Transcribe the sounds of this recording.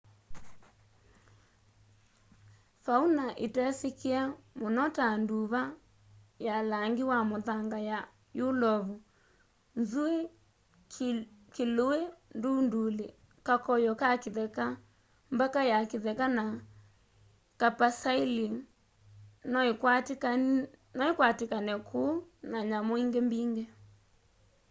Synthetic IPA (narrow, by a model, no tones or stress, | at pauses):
faunaʔetɛsekeamonɔtanduβa | jalaŋɡiwamoðaŋɡaja | jolɔβu | nzue | keloendundule | kakɔjɔkakiðɛka | mbakajakeðɛkana | kapasaili | n | nɔekwatekanɛkʰuːnaɲamoiŋɡembiŋɡɛ